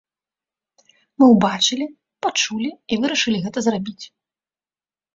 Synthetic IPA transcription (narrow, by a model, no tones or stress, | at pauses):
mɨwbat͡ʂɨlʲi | pat͡ʂulʲiivɨɾɐʂɨlʲiɣɛt̪ɐzrabʲit͡sʲ